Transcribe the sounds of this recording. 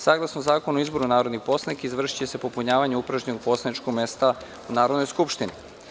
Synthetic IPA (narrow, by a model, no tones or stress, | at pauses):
saːɡlˠasnozaːkonoizbo̞ɾunaːɾo̞d̪nixpo̞snikizʋr̩ʃi̥t͡ɕese̞popuɲaːʋaɲeupɾaʒɲenoɡ̚po̞ːslˠanit͡ʃkoɡmest̪a | unaːɾod̪nojskupʃt̪inḭ